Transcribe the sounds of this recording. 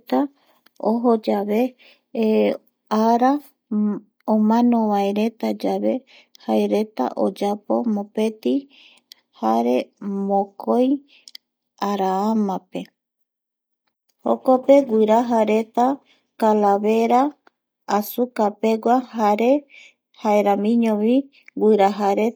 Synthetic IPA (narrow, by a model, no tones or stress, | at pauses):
t̪a | oɦo̞d͡ʒaβe̞ | aɾa | omãnõ̞βaeɾe̞t̪ad͡ʒaβe̞ | haeɾe̞t̪a̰ʔo̞d͡ʒapo̞̰mõpe̞t̪i | haɾe̞mõkʰoj | aɾaamãpe̞ | hokope̞ɡʷiɾaɦaɾe̞t̪a | kalaβe̞ɾaː | sukape̞ɡʷahaɾe̞ | haeɾamĩɲõβi | ɡʷiɾaɦaɾe